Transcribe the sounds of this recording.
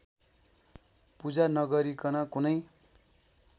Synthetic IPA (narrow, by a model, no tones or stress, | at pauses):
pud͡zanʌɡʌɾikʌnʌkunʌj